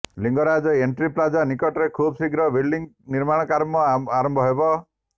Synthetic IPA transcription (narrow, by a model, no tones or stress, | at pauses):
liŋɡɔɾad͡ʒɔeɳʈɾiplad͡ʒanikɔʈɔɾekʰubsiɡɾɔbiɽɖiŋniɾmaɽ̃ɔkaɾmɔaɾɔmbʱɔɦebɔ